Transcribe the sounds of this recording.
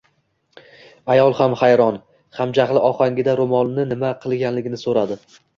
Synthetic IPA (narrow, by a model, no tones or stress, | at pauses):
ajɒlˠhamχajɾɒn | χamd͡ʒaχlˠɪʔɒχaŋɡʲɪd̪aɾomɒnnɪnɪmaqʰɨlˠɡʲanlɪɡʲɪnɪsoɾad̪ɪ